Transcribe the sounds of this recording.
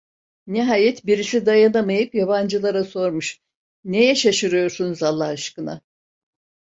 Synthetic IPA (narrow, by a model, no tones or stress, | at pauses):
niɦaːjɛt̪biɾisid̪ajanamajɯpjaband͡ʒɯlˠaɾaso̞ɾmuʃ | nejɛʃaʃɯɾɯjo̞ɾsunuzalˠːahɯʃkɯna̰